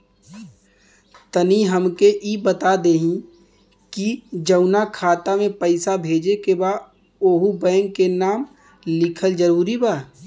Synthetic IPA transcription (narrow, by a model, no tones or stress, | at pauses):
t̪əniɦəmkeʔiːbət̪ad̪eːɦĩ | kid͡ʒəʊnakʰaːt̪amẽpəɪsabʱeːd͡ʒekebaː | oːɦubəːŋkenaːm | lɪkʰəld͡ʒəɾuːɾibaː